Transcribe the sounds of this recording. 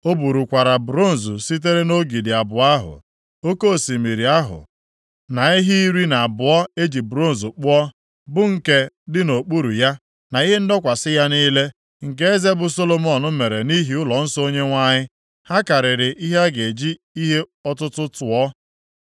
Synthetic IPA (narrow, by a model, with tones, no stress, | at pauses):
o˦bu˨ɾu˨kʷa˨ɾa˨bɾo˦n̩˨zu˨si˦t̬e˦ɾe˦no˦ɡi˨dɪ˨a˨bʊ˨a˦ɦʊ̰˨ | o˦ko˦˨si˨mi˨ɾi˨a˦ɦʊ̰˨ | na˨i˦ɦi˦i˦ɾi˦na˨bʊ˨ɔ˦e˦d͡ʒi˨bɾo˦n̩˨zʊ˨k͡pʊ˦ɔ˦ | bʊ˦ŋ̩˨ke˦ | dɪ˦no˨k͡pu˦ɾu˨ja˦ | na˨i˦ɦe˦n̩˦dɔ˦kʷa˨sɪ˦ja˦ni˦le˦ | ŋ̩˨k̬e˦e˦ze˦bʊ˨so˦lo˨mɔ˨nʊ˦me˨ɾe˨ni˦ɦi˦ʊ˦lɔ˨n̩˦so˦ɲe˦ŋʷa˦ɲɪ˦ | ha˦ka˨ɾɪ˨ɾɪ˨ʔi˦ɦe˦ɡe˨d͡ʒi˦ | i˦ɦe˦ɔ˦tʊ˦tʊ˦tʊ˨ɔ˦